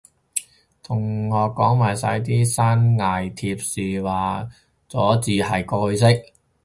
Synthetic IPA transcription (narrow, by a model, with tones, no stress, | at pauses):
t̪ʰʊ˨˩ŋːɔː˨˧kɔː˨˥ŋmaː˨˩jsɐ̰˧jt̪iː˥saː˥nŋaː˨jt̪ʰiː˧p̚siː˨waː˨ | t͡sɔ̰ː˨˥t͡siː˧hɐ˨jkɔː˧hɵ˧ɥs̬ɪ˥k̚